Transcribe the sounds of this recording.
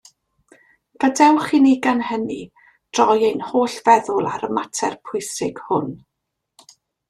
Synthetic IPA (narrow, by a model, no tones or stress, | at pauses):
v̥ədɛwχiniɡanhəni | d̥rɔjejnhoːɬv̥ɛðʊlˠa̰ɾəmatʰɛrpʰʊɨsɪɡ̥hʊn